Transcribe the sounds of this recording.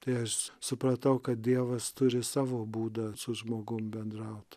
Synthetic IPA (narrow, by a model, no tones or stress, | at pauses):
t̪ɐɪɐʃsʊpɾɐt̪ɐʊkɐt̪̚d̪ʲiɛʋɐst̪ʊɾʲɪsɑːʋoːbuːd̪ɐsʊʒmoːɡʊmbʲɛnd̪ɾɐʊt̪